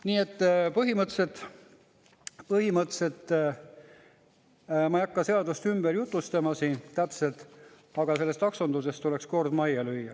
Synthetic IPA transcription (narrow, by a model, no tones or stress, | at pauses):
niːe̞t̪ːpɤɦimɤt̪ːse̞t̪ | pɤɦimɤt̪ːˑse̞t̪ː | mɑjɑkːɑse̞ɑd̪ust̪ymb̥eɾjut̪ːˑust̪ɑmɑsiːnt̪æpse̞lt̪ˑ | ɑɡ̥ɑse̞lːe̞st̪ɑksond̪use̞st̪ːule̞kskord̪mɑjɑlyjːɑ